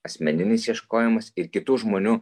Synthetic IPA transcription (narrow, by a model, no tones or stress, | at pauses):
ɐsʲmʲɛnʲɪnʲɪsjiɛʃkoːjɛmɐsɪɾkʲɪt̪uːʒmoːnʲuː